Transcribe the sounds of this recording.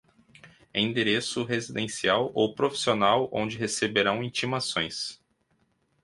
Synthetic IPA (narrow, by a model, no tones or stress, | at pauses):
ɛ̰̃ĩd̪eɾesʊɦezid̪ẽsiawʔowpɾofi̥sionawõ̰d͡ʒɪɦesebeɾɐ̃w̃ĩt͡ʃimasõj̃s